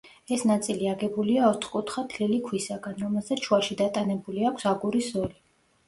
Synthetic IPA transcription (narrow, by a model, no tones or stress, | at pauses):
ɛsnat̪sʼiliaɡɛbuliaɔt̪ʰχkʼut̪ʰχat̪ʰlilikʰwisaɡanɾɔmɛlˠzaʃwaʃid̪at̪ʼanɛbuliakʷʰsaɡuɾisɔɾi